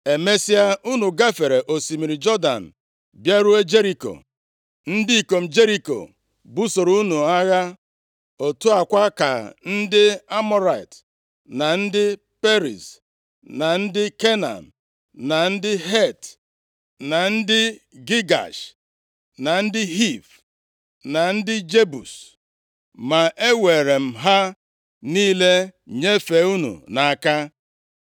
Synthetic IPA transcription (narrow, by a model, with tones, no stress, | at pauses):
e˨me˦si˦a˦u˦nu˨ɡa˦fe˨ɾe˨ʔo˨si˨mi˨ɾi˨d͡ʒɔ˦da̰˨n̩˨ | bja˦ɾu˦e˦d͡ʒe˦ɾi˨ko̰˨ | n̩˦di˦i˨ko˨m̩˨d͡ʒe˦ɾi˦ko̰˨ | bu˦so˨ɾu˦nu˨a˦ɣa˦ | o˨tu˦a˨kʷa˦ka̰˨n̩˦dɪ˦a˦mɔ˦ɾa˨t | na˨n̩˦dɪ˦ | pe˦ɾḭ˨s | na˨n̩˦dɪ˦ke˦na̰˨m̩˨ | na˨n̩˦dɪ˦ɦe˦˨t | na˨n̩˦dɪ˦ɡi˦ɡa̰˨ʃ | na˨n̩˦dɪ˦ɦi˦˨f | na˨n̩˦dɪ˦d͡ʒe˦bṵ˨s | ma˨ʔe˦we˨ɾe˨m̩˨ɦa˦ | niː˦le˦˨ɲe˦fe˨˦u˦nṵ˨na˨ka˦